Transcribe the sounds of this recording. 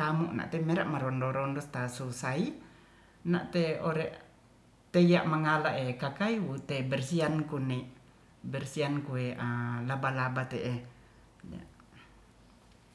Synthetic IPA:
t̪amuʔna̰ʔt̪ɛmɛɾaʔmaɾɔndɔɾɔndɔst̪asusai | na̰ʔt̪eɔɾɛʔ | t̪eijaʔmaŋalaʔekakaiwut̪ɛbɛrsiankunɛʔ | bɛrsiankueʔalabalabat̪ɛʔe | d͡ʒa̰

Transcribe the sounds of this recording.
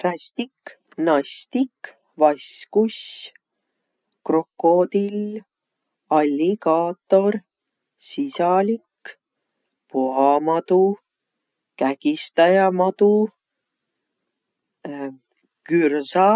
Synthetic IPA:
rɑsʲt̪ik | nɑst̪ik | vɑskus | kro̞kːo̞d̪il | ɑlʲːikɑːt̪ːo̞ɾ | sisɑlik | poɦɑmɑd̪u | kækist̪ɑjɑmɑt̪u | kyrsɑ

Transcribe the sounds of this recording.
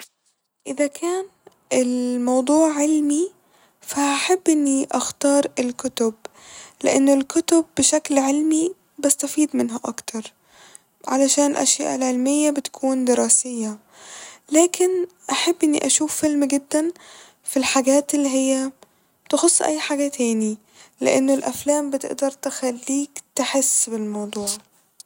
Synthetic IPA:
ʔɪðakʰaːn | ʔɪlmɑwd̪ˤuːʕʕɪlmi | faaħabːʔɪnːiʔaxt̪ɑːɾˤɪlkʊt̪ʊb | lɪ̰ʔanːʊlkʊt̪ʊbːɪʃaklʕɪlmi | bast̪afiːd̪mɪnɦaʔa̰kt̪ʰɑɾˤ | ʕalaʃaːnɪlʔa̰ʃja̰ːʔalʕelmɪjːabɪt̪ḁkʰuːnd̪ɪɾɑːsɪjːa | læːkʰɪnʔaħabːʔɪnːḭʔaʃuːfːɪlmɡɪd̪ːan | filħaɡæːt̪ɪlːiɦɪjːæ | t̪ɪxosˤːʔa̰jːħaɡat̪ʰæːni | lɪ̰ʔanːolʔaflæːmbɪt̪ɪ̰ʔd̪ɑɾˤt̪ɪxalːiːkt̪ɪħɪsːbɪlmɑwd̪ˤuːʕ

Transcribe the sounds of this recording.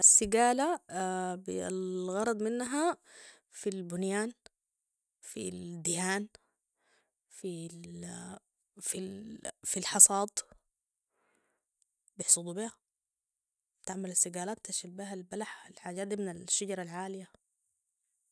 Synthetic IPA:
ʔasːɪɡaːla | blɣɑɾˤɑd̪ˤmɪnːɦa | filbʊnjaːn | fḭld̪ɪhaːn | fi | fifilħɑsˤɑːd̪ˤ | bɪħsˤud̪ˤubiha | bt̪aʕmalasːɪɡaːlaːt̪t̪aʃilbiɦalbalaħalħaːd͡ʒaːd̪imɪnalʃːaɟɑɾˤɑlʕaːlɪja

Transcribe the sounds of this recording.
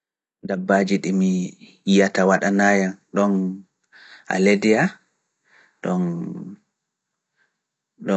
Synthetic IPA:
dabːad͡ʒiɗimi | ijatawaɗanaːjanɗɔn | a̰ledija | ɗɔn | ɗɔ

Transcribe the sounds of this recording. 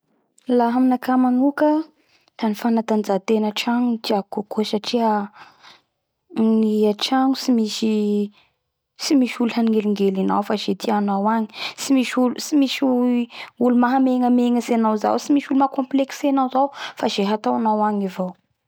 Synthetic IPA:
laɦaminakamanukə | t̪anifanat̪and͡zat̪enəʈ͡ʂaŋud͡ʒ̪iakokusaʈ͡ʂia | niaʈ͡ʂaŋusimisi | simiʃuluhaniŋɡeliŋɡelina̰wfaz̥et̪ʰianawaɲi̥simiʃulusimisuulumaɦameŋəmeŋəsenawza̰wsimiʃulumakɔ̃mpleksenawzawfazeɦat̪awanawaŋivow

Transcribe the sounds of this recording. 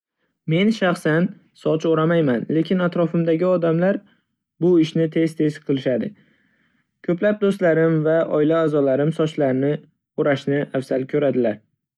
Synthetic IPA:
me̞nʃaχsan | sɒt͡ʃoɾamajmanle̞kʲʰɪnat̪ɾɒfɪmd̪aɡʲɪɒd̪amlaɾ | bʊɪʃnɪt̪ʰe̞zt̪ʰe̞zqʰɨlˠɪʃad̪ɪ | kʲʰɵplap̚d̪ost̪laɾɪmvaʔɒɪlaːzɒlaɾɪmsɒt͡ʃʰlaɾɪnɪ | oɾaʃnɪʔafsalkʲʰɵɾad̪ɪlaɾ

